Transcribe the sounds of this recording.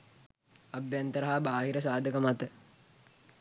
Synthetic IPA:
abjant̪əɾəɦabaːɦiɾəsaːd̪ʱəkəmat̪ə

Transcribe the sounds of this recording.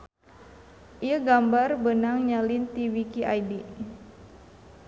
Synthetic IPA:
ʔiəɡambarbənaŋɲalint̪iwikiʔajdi

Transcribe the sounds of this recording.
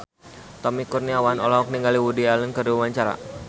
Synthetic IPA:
t̪ɔmikurniawanɔ̰lɔɦɔk̚niŋɡaliwudialənkəriwaɲt͡ʃaɾa̰

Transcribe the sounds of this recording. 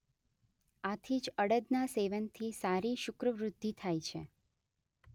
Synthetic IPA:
at̪ʰid͡ʒəɽəd̪naseʋənt̪ʰisaɾiʃʊkɾəʋɾʊd̪ʱːit̪ʰajt͡ʃʰḛ

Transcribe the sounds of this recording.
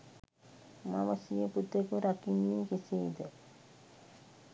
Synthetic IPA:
ma̰məsijəput̪ekuɾakinːiːkisiːd̪ə

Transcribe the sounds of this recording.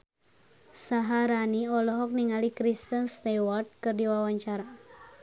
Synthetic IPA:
saɦaɾaniɔlɔɦɔk̚niŋalikɾist̪ənst̪ɛwɔrt̪̚kɨrdiwawaɲt͡ʃaɾa

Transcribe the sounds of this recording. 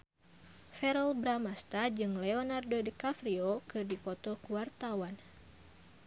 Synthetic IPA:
fɛɾɔlbɾamast̪ad͡ʒɨŋleonardodəkafɾiokɨrdipɔt̪ɔkuwart̪awan

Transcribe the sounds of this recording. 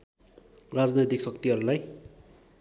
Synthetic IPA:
rad͡znʌjt̪iksʌkt̪iɦʌɾulaj

